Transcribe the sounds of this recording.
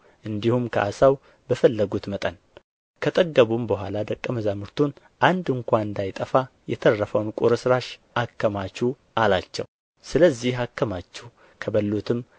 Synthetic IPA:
ʔɨnd̪ihumkʰəʔa̰saw | bəfəlːəɡut̪mət̪ʼən | kʰət̪ʼəɡːəβumbəɦʷalad̪əkʼːəməzamɨɾt̪ʰun | ʔand̪ɨŋkʷaɨnd̪ajt̪ʼəfa | jɛt̪ʰərːəfəwnkʼuɾɨsɾaʃʔakːəmat͡ʃːu | ʔalat͡ʃːɛ̰w | sɨləzːihakːəmat͡ʃːu | kʰəβəlːut̪ʰɨm

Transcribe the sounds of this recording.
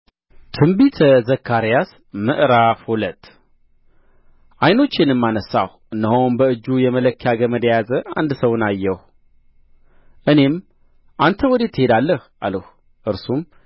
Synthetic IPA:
t̪ʰɨmbit̪ʰəzəkʰːaɾijas | mɨʔɾafhulət̪ː | ʔajno̞t͡ʃːɪnɨmːanəsa̰h | ɨnːəɦownbəɨd͡ʒːujɛmələkʰːjaɡəməd̪jajazəʔand̪səwnajːəh | ʔɨne̞m | ʔant̪ʰəwɔd̪e̞t̪ʰːɨhe̞d̪alːəh | aləh | ʔɨɾsum

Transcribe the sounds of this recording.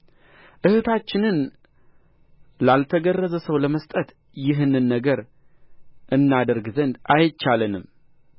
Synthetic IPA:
ʔɨhɨt̪ʰat͡ʃːɪnɨn | lalt̪ʰəɡərːəzəsəwləməst̪ʼət̪ | jɪɦɨnɨnːəɡəɾ | ʔɨnːad̪əɾɡzənd̪ajt͡ʃːalənɨm

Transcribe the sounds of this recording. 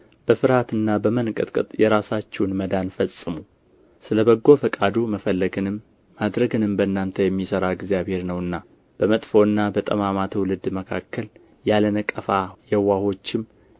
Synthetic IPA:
b̥əfɨɾhat̪ɨnːabəmənkʼɨt̪ʼkʼɨt̪ʼjɛɾasat͡ʃːɛwnməd̪anfəsʼɨmu | sɨləbəɡːo̞fəkʼad̪uməfəlːəɡɨnɨmː | ad̪ɾəɡɨnɨmbənːant̪ʰəjɛmːisəɾaɡzjaβhe̞ɾnəwɨnːa | b̥əmət̪ʼfo̞ɨnːabət̪ʼəmamat̪ʰwlɨd̪məkʰakːəl | jalənəkʼːəfajɛwːaho̞t͡ʃːɪm

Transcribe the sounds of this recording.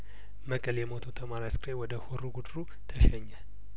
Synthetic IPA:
məkʼəljɛmot̪ʰot̪ʰəmaɾaskɾewɔd̪əhuɾuɡud̪ɾu | t̪ʰəʃɛɲːa

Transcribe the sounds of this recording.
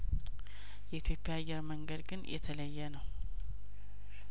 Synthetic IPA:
jɛit̪ʰjo̞pːejaːjːɛɾməŋɡəd̪ɡɨnjɛ̰t̪ʰələjːɛnəw

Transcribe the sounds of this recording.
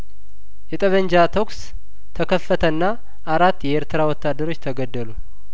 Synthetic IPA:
jɛt̪ʼəβəɲd͡ʒat̪ʰo̞ks | t̪ʰəkʰəfːət̪ʰənːa | ʔaɾat̪ːjɛeɾt̪ʰɨɾawɔt̪ːad̪ːəɾo̞t͡ʃːt̪ʰəɡəd̪ːəlu

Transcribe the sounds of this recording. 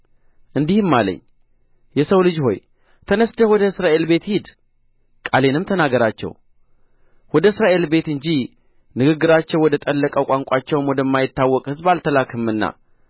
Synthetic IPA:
ʔɨnd̪ihɨmːalə̰ɲː | jɛsəwlɨd͡ʒho̞̰j | t̪ʰənəsd̪əwɔd̪əɨsɾaʔe̞lbe̞t̪hid̪ | kʼale̞nɨmt̪ʰənaɡəɾat͡ʃːɛ̰w | wɔd̪əɨsɾaʔe̞lbe̞t̪ɨɲd͡ʒi | nɨɡɨɡːɨɾat͡ʃːɛwɔd̪ət̪ʼəlːəkʼəkʷʼaŋkʷʼat͡ʃːɛwmwɔd̪əmːajɪt̪ːawːɔkʼhɨzbalt̪ʰəlakʰɨmːɨnːa̰

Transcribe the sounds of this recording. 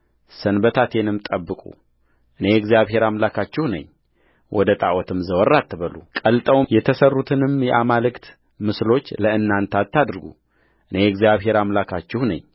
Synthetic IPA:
sənbət̪ʰat̪ʰe̞nɨmt̪ʼəbːɨkʼṵ | ʔɨne̞ɛɡzijaβɦe̞ɾamlakʰat͡ʃːɪhunə̰ɲː | wʔɔd̪ət̪ʼa̰ʔwɔt̪ʰɨmzəwɔrːat̪ːɨβəlukʼəlt̪ʼəwjɛt̪ʰəsərːut̪ʰɨnɨmjɛʔamalɨkt̪ | mɨslo̞t͡ʃːləɨnːant̪ʰat̪ʰːad̪ɾɡṵ | ʔɨne̞ɛɡzijaβɦe̞ɾamlakʰat͡ʃːɪhnə̰ɲː

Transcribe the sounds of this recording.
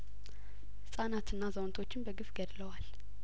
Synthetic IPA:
hɨsʼanat̪ɨnːazəwnt̪ʰo̞t͡ʃːɪnbəɡɨfɡəd̪ləwal

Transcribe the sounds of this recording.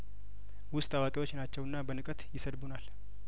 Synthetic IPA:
wʊst̪ʼawakʼewo̞t͡ʃːnat͡ʃːɛwɨnːabənɨkʼət̪jɪsəd̪bunal

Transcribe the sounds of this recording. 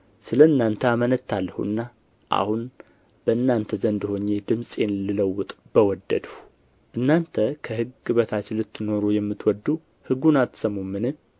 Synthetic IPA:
sɨləɨnːant̪ʰəamənət̪ʰːalːəhṵɨ̰nːa | ʔa̰hun | b̥əɨnːant̪ʰəzənd̪ɨho̞ɲːed̪ɨmsʼenlɨləwːʊt̪ʼb̥əwɔd̪ːə̰d̪u | ʔɨnːant̪ʰəkʰəhɨɡːɨβət̪ʰat͡ʃːɪlɨt̪ʰːɨno̞ɾujɛmːɨt̪wɔd̪u | hɨɡːunat̪ːsəmumːɨnɨ

